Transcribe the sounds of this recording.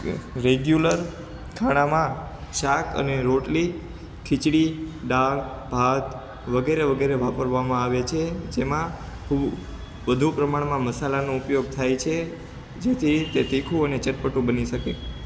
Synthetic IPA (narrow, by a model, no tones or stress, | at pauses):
ɾeɡjuləɾ | kʰaɽ̃ãmãʃakʰə̰neɾoʈli | kʰit͡ʃɽiɖal | bʱat̪ | ʋəɡeɾeʋəɡeɾeʋapəɾʋamãaʋet͡ʃʰed͡ʒemã | kʰub | ʋəd̪ʱupɾəmaɽmãməsalanoupjoɡ̚t̪ʰajt͡ʃʰe | d͡ʒet̪ʰit̪et̪ikʰuənet͡ʃəʈpəʈũbəniʃəke